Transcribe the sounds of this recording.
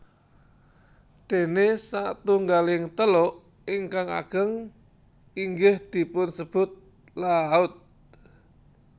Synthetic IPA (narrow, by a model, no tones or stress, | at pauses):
d̪̥enesat̪uŋɡalɪŋt̪əlɔ | ɪŋkaŋa̰ɡ̥əŋ | iŋɡɪhd̪̥i̤pʊnsəb̥ʊt̪̚ | laʊt̪̚